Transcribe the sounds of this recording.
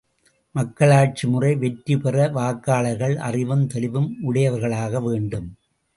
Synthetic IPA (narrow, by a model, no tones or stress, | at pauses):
mɐkːɐɭaːʈ̚t͡ʃimɯrɐɪʋɛʈɾɯpɛrɐʋaːkːaːɭɐɾɣɐɭɐ̰rɪʋɐmt̪ɛlɪʋɯmʊɽɐjɐʋɐɾɣɐɭaːɣɐʋeːɳɖɯm